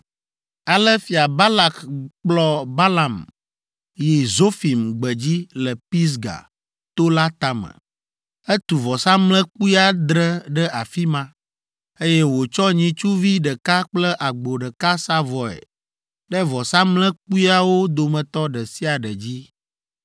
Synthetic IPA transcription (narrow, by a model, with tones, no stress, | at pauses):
a˨lə˦fi˨a˨ba˦la˨kk͡plɔ˦ba˦la˨m | ji˨zo˦fi˨mɡ͡bə˨d͡ʑi˦lə˨pi˦s̬ɡa̰˨ | t̪o˦la˦t̪a˨mə̰˨ | ɛ˦t̪u˨vɔ˨sa˦mlə̃˦k͡pu˦i˦a˨d̪ɾə˦ɖə˦ʔa˨fi˦mã˦ | e˦jɛ˦wo˨t͡ʃɔ˦ɲĩ˨t͡ʃu˦vi˦ɖə˨ka˦k͡plə˦ʔa˨ɡ͡bo˨ɖə˨ka˦sa˦vɔ˨ɛ̰˨ | ɖɛ˦vɔ˨sa˦mlə̃˦k͡pu˦i˦a˦wo˦d̪o˨mɛ̃˨t̪ɔ˦ɖə˨si˦a˨ɖə˨d͡ʑi˦